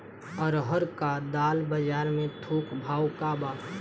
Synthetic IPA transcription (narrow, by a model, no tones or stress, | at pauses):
ɔːɾɦəɾkad̪aːlbəd͡ʒaːɾmẽt̪ʰoːkʰbʱaːwkaːbaː